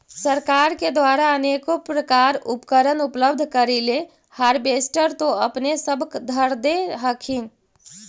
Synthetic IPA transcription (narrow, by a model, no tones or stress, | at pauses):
səɾkaɾked̪ʋaɾaənekopɾəkaɾupkəɾənupləbd̪ʱkəɾile | haɾbesʈəɾt̪oəpnesəbʱkd̪ʱəɾd̪eɦəkʰin